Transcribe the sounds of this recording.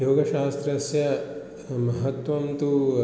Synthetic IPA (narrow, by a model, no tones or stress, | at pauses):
joːɡɐʃaːst̪ɾɐsjɐ | mɐɦɐt̪ʋɐmt̪u